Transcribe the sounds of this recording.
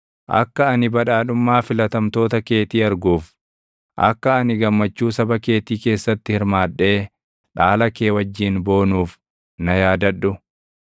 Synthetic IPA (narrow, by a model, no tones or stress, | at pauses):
ʔɐ̰kːɐɐnɪbɐᶑaːᶑʊmːaːfɪlɐt̪ɐmt̪o̞ːt̪ɐke̞ːt̪iːɐɾɡuːf | ʔɐ̰kːɐːnɪɡɐmːɐt͡ʃːuːsɐbɐke̞ːt̪iːke̞ːsːɐt̪ːɪhɪɾmaːᶑe̞ː | ᶑaːlɐke̞ːwɐd͡ʒːiːnbo̞ːnuːf | nɐjaːd̪ɐᶑʊ